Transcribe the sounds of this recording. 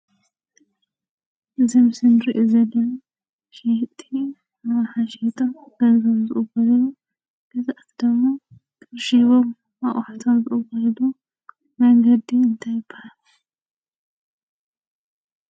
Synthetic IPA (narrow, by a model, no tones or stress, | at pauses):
ʔɨzɐmɨsɨnɾiʔozɐlːɐna | ʃet̪ʰʼi | aβħaʃet̪ʰomɡɐzomzɨʔʼɨbɐllu | ɡɐzʔat̪ʰid̪ɨmːa | kʰʼɨɾʃiβom | aʔʼħat̪ʰomzɨʔʼɨbɐllu | mɐŋɡɐd̪ːiɨnt̪ʰajɪb̥ːahalu